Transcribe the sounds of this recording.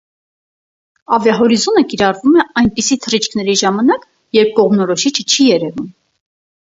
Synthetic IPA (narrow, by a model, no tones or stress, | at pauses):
ɑvjɑɦɔɾizɔnəkiɾɑrvumɛɑjnpisit̪ʰərit͡ʃʰkʰnɛɾiʒɑmɑnɑk | jɛɾp̚kɔʁmnɔɾɔʃit͡ʃʰə̥t͡ʃʰijɛɾɛvum